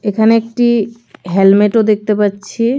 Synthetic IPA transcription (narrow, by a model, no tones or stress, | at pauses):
ekʰaneek̚ʈi | ɦelmeʈod̪ek̚ʰt̪epatːt͡ɕʰi